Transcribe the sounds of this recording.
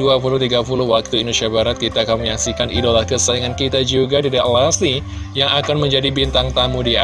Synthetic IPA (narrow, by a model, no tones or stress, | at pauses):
uapulʊht̪iɡapulʊhwak̚t̪uindusiabaɾat̪̚kit̪aːkanməɲaksikanḭdolakəsadəŋankit̪ad͡ʒuɡadidaʔlasni | jaŋakanməɲd͡ʒadibint̪aŋt̪amudia